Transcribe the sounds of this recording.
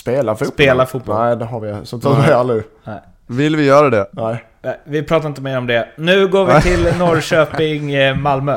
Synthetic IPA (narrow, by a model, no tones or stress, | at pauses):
speːlafupeːlafut̪̚bɔɛɪd̪ɛɦaɾvɪsɔt̪ʰɛalɾɪnɛɪ | vɪlvɪjœːɾad̪ɛnɛ | nɛɪvɪpʰɾɑːt̪̬aɾɪnt̪əmeːɾɔmd̪ɛnʉ̟ːɡoːɾvɪt̪ʰɪlnɔɾʃøːpɪŋmalmøː